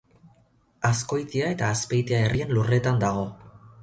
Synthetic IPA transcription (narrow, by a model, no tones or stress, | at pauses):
asko̞jt̪iae̞t̪aːspejt̪iaerʔie̞nlure̞t̪and̪aɣ̞o̞